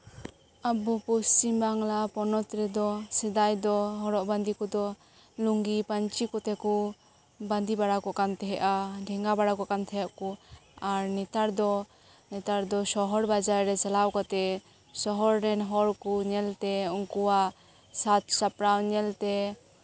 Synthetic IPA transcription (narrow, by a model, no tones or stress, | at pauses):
abupust͡ʃimbaŋlapɔnɔt̪ɾɛd̪ɔsɛd̪ajd̪ɔɦɔɾɔʔband̪ikɔd̪ɔ | luŋɡipaɲt͡ʃikɔt̪ɛku | bãnd̪ibaɽakɔʔkant̪ʰɛɦɛʔaɖʱɛŋɡabaɽakɔʔkant̪ʰɛɦɛʔ̚kuaɾnɛt̪aɾd̪ɔ | nɛt̪aɾd̪ɔsɔɦɔɾbad͡ʒaɾɾɛt͡ʃalawkɔt̪ɛ | sɔɦɔɾːɛnɦɔɾkuɲɛlt̪ɛuŋkuwaʔ | sat̪sapɾawɲɛlt̪ɛ